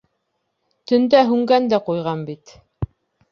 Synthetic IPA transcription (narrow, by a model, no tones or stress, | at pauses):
t̪ɵ̆nd̪æɦʉŋɡænd̪æqujʁɑnbit̪